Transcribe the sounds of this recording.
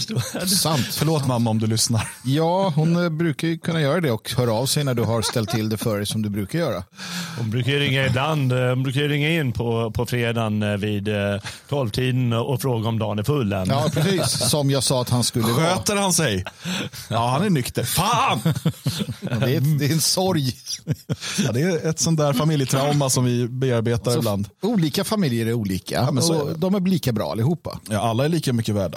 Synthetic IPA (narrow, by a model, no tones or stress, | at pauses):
sant̪fœɭoːt̪mamːaɔmd̪ɵlʏsnaɾjɑːhʊnbɾʉ̟ːkaɾjɵkʰɵnːajœːɾad̪ɛɔkhœːɾaːvsɛjnæɖɵɦaɾst̪ɛlt̪ʰːɪld̪ɛfœɖɛjsɔmd̪ɵbɾʉ̟ːkaɾjœːɾahʊnbɾʉ̟ːkajəɾɪŋːaɪbland̪hʊnbɾʉ̟ːkajɾɪŋːaɪnːpʰɔpʰɔfɾeːd̪anviːd̪t̪ʰɔlvt̪ʰiːd̪nɔfɾoːɡaɔmd̪ɑːnæɾfɵlːɛnjɑːpʰɾɛsiːsːɔmjɑːɡsɑːat̪hanskɵlɧːəɧøːt̪əɾhansɛj | ɑːhanæɾɳʏkt̪əɾfaːn | d̪ɛd̪ɛɛnsɔɾj | jd̪ɛːɛt̪sɔnt̪æːɾfamɪljət̪ʰɾaʊmasɔmvɪbeːaɾbeːt̪aɾɪbland̪uːliːkafamɪljəɾɛɾuːliːkʰa̰mɛnɔsɔd̪ɔmæliːkabɾɑ̰ːa̰lːɪhuːpːa̰jɑːalːaɛɭiːkamʏkːəvæːɖa